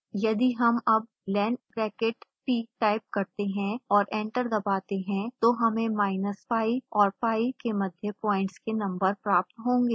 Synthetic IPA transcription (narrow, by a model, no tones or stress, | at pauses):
jɐd̪iɦɐmɐb̚ | lɛːɳkɾɛːkeʈpiːʈaːɪp̚kɐɾt̪eɦɛ̃ɔːɾʔẽːɳʈəɾd̪ɐbaːt̪eɦɛ̃t̪oɦɐmẽmaːɪnəspaːiɔːɾpaːikemɐd̪ʱjəpɔːɪ̃ɳʈskenɐ̃mbəɾpɾaːp̚t̪ɦõːŋɡeː